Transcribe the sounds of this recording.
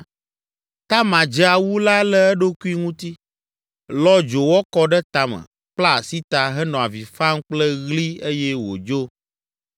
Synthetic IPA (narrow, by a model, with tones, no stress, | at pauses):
t̪a˦mã˨d͡ʒɛ˦a˨wu˦la˦lɛ˦ɛ˦ɖo˦ku˦i˦ŋũ˦t̪i˦ | lɔ˦d͡ʒo˨wɔ˦kɔ˦ɖɛ˦t̪a˦mɛ̰˨ | k͡pla˦˨si˦t̪a˨ɦɛ˦nɔ̃˨a˨vi˨fa˦ŋ˦k͡plɛ˦ɣli˦e˦jɛ˦wo̰˨d͡ʒo˦